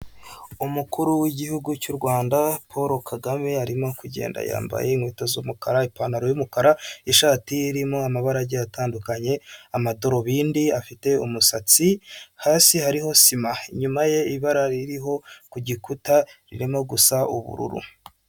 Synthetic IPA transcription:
umukuɾuwiɟihuɡucuɾɡwaːndapʰoɾo̞kʰaɡame̞aɾimo̞kuɟe̞̰ːnda̰ja̰ːmba̰je̞iŋwiːtozomukaɾaipanaɾojumukaɾaiʃaːtiːɾimoamaβaɾaɟejataːndukaɲe̞amado̞ɾo̞βiːndiafite̞umusat͡sihaːsihaɾiɦo̞simaiɲumaje̞iβaɾaɾiɾiɦo̞kuɟikutaɾḭɾimo̞ɡusaṵβṵɾṵɾṵ

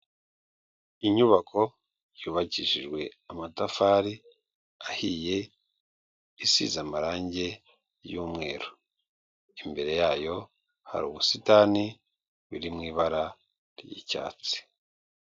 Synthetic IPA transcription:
iɲuβakʰo̞ | juːβaciʃiʒɡwe̞amatafaɾi | ahiːje̞ | isḭzamaɾaːɲɟe̞ | juːmŋe̞ːɾo | imbe̞ɾe̞jaːjo̞ | ha̰ɾṵːβusitani | βiɾimŋiːβaɾa | ɾjḭca̰ːt͡si̥

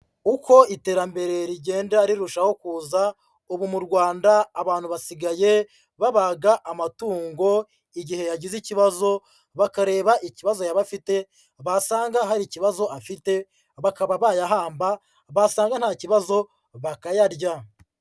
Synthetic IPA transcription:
uko̞ite̞ːɾambe̞ɾe̞ɾiɟe̞ːndaɾiɾuʃaho̞kuːza | uβumuɾɡwaːndaːβaːn̥huβasiɡaje̞ | βaβaɡaʔamatuːŋɡo̞ | iɟihe̞jaɟiziciβazo̞ | βakaɾe̞ːβaʔiciβazo̞jaβafite̞ | βasaːŋɡaɦaɾiciβazo̞afite̞ | βakaβaβajaɦaːmba | βasaːŋɡan̥haːciβazo̞ | βakajaɾɟa

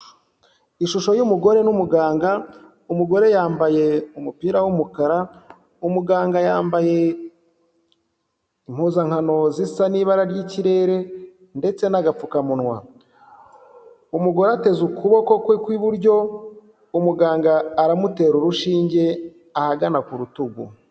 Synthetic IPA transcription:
iʃuʃo̞jumuɡo̞ɾe̞numuɡaːŋɡa | umuɡo̞ɾe̞jaːmbaje̞umupiːɾawumukaɾa | umuɡaːŋɡajaːmbaje̞ | im̥huːzaŋhano̞zisaniːβaɾaɾɟiciɾe̞ːɾe̞ | nde̞t͡se̞naɡap͡fukamunwa̰ | umuɡo̞ɾeate̞zukuβo̞ko̞kwekwiβuɾɟo̞ | umuɡaːŋɡaːɾamute̞ːɾuɾuʃiːɲɟe̞ | ahaɡanakuɾutuɡṵ

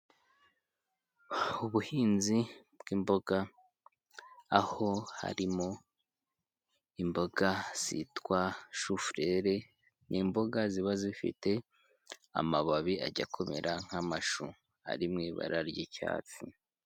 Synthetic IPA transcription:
uβuhiːnzi | bɡ̥iːmbo̞ɡ̥a | ho̞ha̰ɾimo | imbo̞ɡ̥az̥itwaʃufɾe̞ɾe̞ | nʔimbo̞ɡaziβazifḭte̞ | a̰maβaβia̰ɟakʰo̞mḛɾʔaŋ̥hamaʃu | a̰ɾimŋiβa̰ɾaɾɟica̰ːt͡si

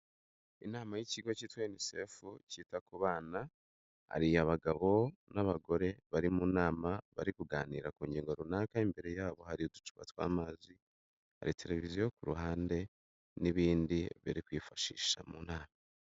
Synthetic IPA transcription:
inaːmajiciɡo̞ciːtwaenisefuciːtakuβaːna | ha̰ɾijaβaɡaβo̞naβaɡo̞ɾe̞βaɾimunaːmaβaɾikuɡaːniːɾakuːɲɡɟiːŋɡo̞ɾunaːkaimbe̞ɾe̞jaːβo̞haɾijodut͡ʃu̥βa̰twa̰ːmazi | ha̰ɾitʰe̞le̞vizijo̞kuɾuɦaːnde̞ | niβiːndiβḭɾikwiːfaʃḭːʃa̰muːnaːma

